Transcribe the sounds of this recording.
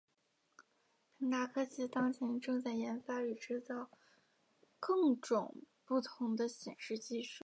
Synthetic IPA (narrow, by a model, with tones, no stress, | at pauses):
pʰi˧˥ŋt̪a˥kʰɤ˥t͡ɕʰi˥˩t̪ɑ˥ŋt͡ɕʰjɛ˧˥nʈ͡ʂɤ˥˧ŋt͡sa˥˩ɪjɛ˧˥nfa˥y˨˩ʈ͡ʂɻ̩˥t͡sɑ˥˧ʊ | kɤ˥˩ŋʈ͡ʂʊ˨˩ŋpu˥˩t̪ʰʊ˧˥ŋd̪ə˧ɕjɛ˨˩nʂɻ̩˥˧t͡ɕi˥˧ʂu˥˩